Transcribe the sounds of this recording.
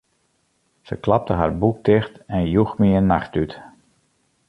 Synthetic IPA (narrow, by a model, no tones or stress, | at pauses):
səklap̚təɦa̰ɹbuk̚tɪxtɛnjuxmiənːaxtyt